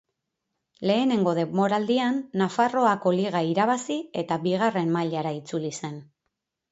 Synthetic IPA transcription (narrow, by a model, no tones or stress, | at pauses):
le̞ːne̞ŋɡo̞ðe̞mo̞ɾald̪ianːafaro̞ako̞liɣ̞aiɾaβ̞asie̞t̪aβiɣ̞are̞mmaʎaɾait͡sulise̞n